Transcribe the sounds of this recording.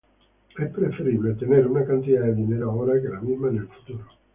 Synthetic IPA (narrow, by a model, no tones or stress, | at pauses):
ɛpːɾefeɾibilet̪eneɾunakant̪it̪ad̪ineɾaoːɾakelamizmanelfu̥t̪uːɾo